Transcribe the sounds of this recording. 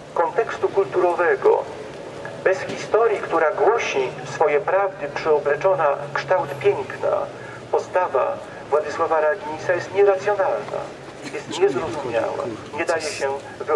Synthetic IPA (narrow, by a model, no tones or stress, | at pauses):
kɔnt̪ɛkst̪ukult̪uɾɔvɛɡɔ̰ | bɛsxʲist̪ɔɾʲjikt̪uɾaɡwɔɕifsfɔjɛpɾavd̪ɘpʂɛɔblɛt͡ʂɔnakʂt̪awt̪pʲjɛŋkna̰ | pɔst̪ava̰ | vwad̪ɘswavaɾaɡʲiɲsajɛst̪ɲɛɾat̪sʲjɔnalna̰ | jɛst̪ɲɛzɾɔzumʲja̰wa̰ɲɛd̪ajɛɕɛ | v